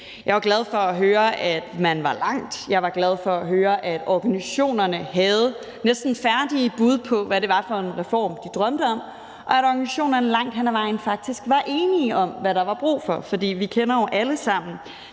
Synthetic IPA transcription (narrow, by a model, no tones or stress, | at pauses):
jɑ̈ɪʋɑ̈ɡ̥lɛð̞ˠfɒ̽æɦøːɐʔæd̥mænʋɑ̈lɑ̈ŋ̰d̥jɑ̈ɪʋɑ̈ɡ̥lɛð̞ˠfɒ̽æɦøːɐʔæd̥ɒɡ̥ænisæɕo̝̰ːnɐnəɦæð̞̩ˠ | nesd̥n̩fæɐd̥iəb̥uð̞ˠpʰɒ̽ʋæɾe̝ʋɑ̈fɒ̽enʁɛfɒ̰ːmd̥id̥ʁɶmd̥əɒ̽m | ʔɒ̽æɾɒɡ̥ænisæɕo̝̰ːnɐnəlɑ̈ŋ̰d̥hænæʋɑ̈ɪ̰nfɑ̈ɡ̥̚d̥isɡ̥ʋɑ̈ʔe̝ːniʔɒ̽mʋæɾ̥ɑ̈ʋɑ̈b̥ʁṵːfɒ̽fɒ̽d̥ḭːʋikʰenɐjoʊʔæləsɑ̈m̰n̩